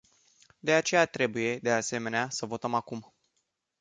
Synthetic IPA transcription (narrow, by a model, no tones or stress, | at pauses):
d̪e̞at͡ʃe̞jat̪ɾe̞buje̞d̪e̞ase̞me̞neasəvo̞t̪əmakum